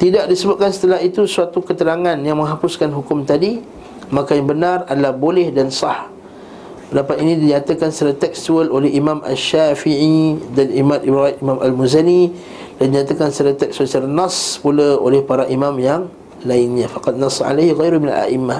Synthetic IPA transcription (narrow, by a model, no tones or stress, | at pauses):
t̪idaʔ̚disəbʊp̚kansə̥t̪əlaɦit̪usuat̪ukət̪əɾaŋãnjaŋmə̃ŋɦapʊskanɦukʊmt̪adi | makajaŋbənaradəlahbolɛhdansɑh | pədapat̪̚inĩdiat̪əkansəɾət̪ɛkst̪uəlolɛhimãma̰ʃːafiʕidanimat̪ibɾajt̪imãmʔa̰lmuzani | dandiɲat̪akansəɾət̪ɛk̚sbət͡ʃəɾnaspuləo̰lɛhpaɾaʔimamjaŋ | lainɲãfaqɑd̪̚nɑsːɑ̰ʕa̰lajhɣajɾuhmina̰la̰ʔimːa